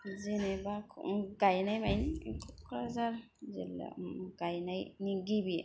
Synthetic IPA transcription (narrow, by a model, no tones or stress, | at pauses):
zinebakʰɡajnajmajnikʰut̚kʰɾazaɾ | zḭl̰ɡajnajniŋɡibi